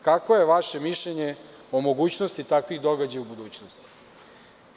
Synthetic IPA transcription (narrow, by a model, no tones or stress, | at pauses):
kako̞je̞ʋaʃe̞miʃʎeɲe | omo̞ɡuːt͡ɕnost̪it̪akʋiɣd̪o̞ɡad͡ʑajubud̪uːt͡ɕnost̪i̥